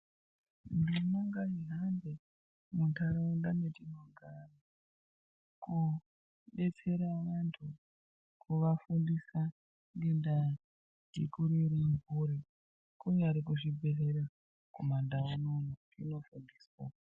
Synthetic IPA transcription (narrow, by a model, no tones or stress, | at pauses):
ndinoŋɡaiɦande | muntʰaroundanetinoŋɡari | ku | ɓe̞t͡se̞ɾaʋantʰu | kuʋafundisa | ŋɡenda | dḭkuɾeɾiɱbuɾi | kuɲaɾik̬uʐibʱe̞rera | komandaanonu | ino̞fundiːswa